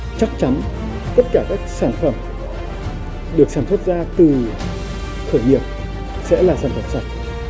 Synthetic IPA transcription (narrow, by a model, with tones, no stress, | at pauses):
t͡ɕa˦˥k̚t͡ɕa˨˦n | t̪ə˦˥t̚kaː˧˩kaː˦˥k̚saː˧˩nfə˧˩m | ɗɨ˨˩ək̚saː˧˩nmswə˦˥t̚zaː˧t̪ɨ˨˩ | xʰəː˧˩jŋi˨˩əp̚ | sɛ̰˧˥laː˨˩saː˧˩nfə˧˩msa˨˩t̚